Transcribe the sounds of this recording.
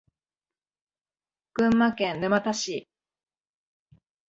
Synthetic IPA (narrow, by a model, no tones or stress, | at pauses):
kɯ̟̃mːakẽnnɯmat̪aɕi